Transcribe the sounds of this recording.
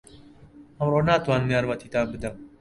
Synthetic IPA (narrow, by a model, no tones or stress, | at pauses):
ɐmroːnaːt̪waːnmjaːɾwɐt̪ʰiːt̪aːbɨd̪ɐm